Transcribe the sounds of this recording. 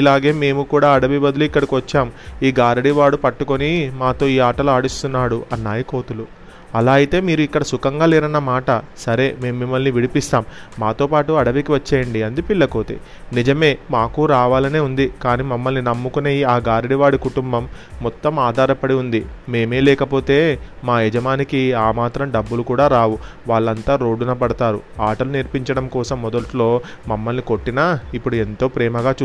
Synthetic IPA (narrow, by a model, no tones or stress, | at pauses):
ilaːɡe̞ːme̞ːmukuːɽaːɐɽɐʋibɐd̪uluikːɐɽikiʋɐt͡ʃːaːmiːɡaːɾɐɽiʋaːɽupɐʈːuko̞nimaːt̪o̞ːiːaːʈɐluaːɽust̪unːaːɽuʔɐnːaːjiko̞ːt̪ulu | ɐlaːjit̪e̞ːmiːɾuikːɐɽɐsukɐŋɡaːleːɾɐnːɐmaːʈɐsɐɾe̞ːme̞ːmumimːɐlniʋiɽipist̪aːmːaːt̪o̞ːpaːʈuɐɽɐʋikiʋɐt͡ʃːeːjɐɳɖiɐnd̪ipilːɐko̞ːt̪ḛ | nid͡ʒɐme̞ːmaːkuɾaːʋaːlɐne̞ːund̪ikaːniːmɐmːɐlninɐmːukuneːjiaːɡaːɾiɽiʋaːɽikuʈumbɐmːɔt̪ːɐmaːd̪ʱaːɾɐpɐɽiund̪ime̞ːme̞ːlɛːkɐpo̞ːt̪e̞ːmaːjɛd͡ʒɐmaːnikiaːmaːt̪ɾɐmɖɐbːulukuːɽaːɾaːʋuʋaːɭːɐnt̪aːɾo̞ːɖunɐp̬ɐɽɐt̪aːɾṵaːʈɐluniɾpiɲt͡ʃɐɽɐmkɔːsɐmːɔd̪ɐʈlo̞ːmɐmːɐlniko̞ʈːinaːipːuɽue̞nt̪o̞ːpɾɛːmɐɡaːt͡ʃu